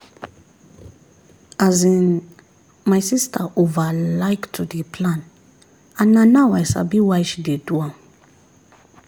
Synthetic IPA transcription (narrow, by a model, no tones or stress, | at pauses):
azĩn | majsistʰaʔovalajktʰudepʰlãn | ãnãnawajsa̰biwajʃideduãm